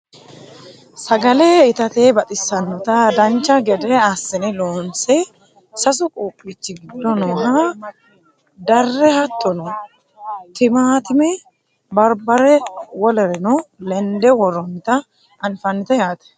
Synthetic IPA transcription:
sɐɡɐlɛɪt̪ɐt̪eːbɐt̪ʼɪsːɐnɔt̪ɐd̪ɐnt͡ʃːɐɡɛd̪ɛɐsːɛnɛloːnsɛ | sɐs̬ʊkʼoːpʼːiːt͡ʃːɪɡɪd̪ːɔnɔɦa | d̪ɐrːɛhɐt̪ʼːɔnɔ | t̪ɪmaːt̪ɪmɛ | bɐɾbɐɾɛwɔlɛɾɛnɔlɛnd̪ɛwɔɾɔnt̪ɐ | ɐnfɐnːɪt̪ɛjaːt̪ɛ̥

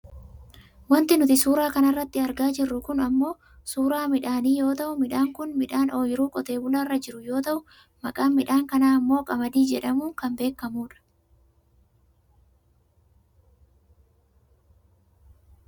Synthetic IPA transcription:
wɐnt̪ɪnʊt̪ɪsuːɾaːkɐnɐrːɐt̪ːɪɐɾɡaːd͡ʒɪrːʊkʊnɐmːo̞ː | suːɾaːmɪᶑaːniːjo̞ːt̪ɐʔʊmɪᶑaːŋkʊnmɪᶑaːno̞ːjɪɾuːkʼɔt̪e̞ːbʊlɐrːɐd͡ʒɪɾʊjo̞ːt̪ɐʔʊ | mɐkʼaːmɪᶑaːŋkɐnaːɐmːo̞ːkʼɐmɐd̪iːd͡ʒɛᶑɐmuːŋkɐmbe̞ːkːɐmuːᶑɐ̥

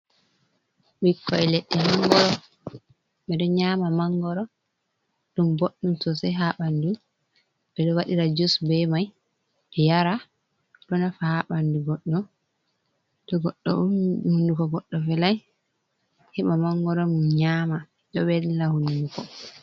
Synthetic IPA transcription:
wikʰːɔɛleɗːihaŋɡɔɾɔ | ɓɛɗɔɲaːmamaŋɡɔɾɔ | ɗumboɗːumsɔsɛɦaɓandu | ɓɛɗɔwaɗiɾad͡ʒusbɛmaj | ɛjaɾa | ɗɔnafahaɓanduɡɔɗːɔ | dɔɡɔɗːɔ̰uhundukɔɡɔɗːɔfɛlaj | hɛmamaŋɡɔɾɔɗumɲama | ɗɔbɛllahundukɔ

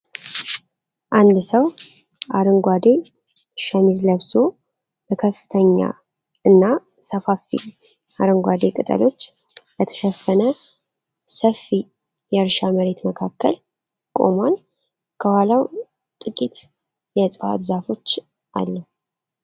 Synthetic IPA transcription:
ʔand̪səw | ʔaɾɨŋɡʷad̪e̞ | ʃəmizləβso̞ | bəkʰəfːɨ̥t̪ʰəɲːa̰ | ɨnːa | səfafḭ | aɾɨŋɡʷad̪ekʼɨt̪ʼə̰lo̞t͡ʃː | lət̪ʰə̥ʃəfːənə | səfi | jɛɨɾʃaməɾe̞t̪məkʰakːə̰l | kʼo̞̰man | kʰəwalaw | t̪ʼɨkʼit̪ | jɛsʼfa̰t̪zafo̞t͡ʃː | ʔa̰lːəh

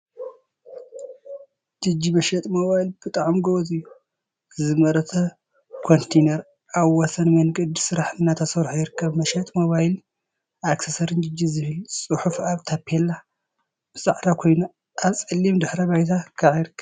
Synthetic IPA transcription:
d͡ʒɨd͡ʒːimɐʃɐt̪ʼmoβajlb̥ɨt̪ʼaʕmɡowt̪ʼɨjːu | zɨmɐɾɐt̪ʰɐ | kʰont̪ʰejnɐɾ | ʔaβwɔsɐnmɐnɡʼɨd̪ɨsɨɾaħnːat̪ʰɐsɐβɾħujɪɾɨkʰːɐβmɐʃɐt̪ʼmoβajl | aksɐsɐɾɨnd͡ʒɨd͡ʒːizɨhɨlsʼɨħufaβt̪ʰapʰelːa | b̥ɨsʼaʕɾakʰo̞jna | ʔaβt͡sʼɨlːimd̪ɨħɾɐbajt̪ʰakʰaʕjɪɾɨkʰːɐβ

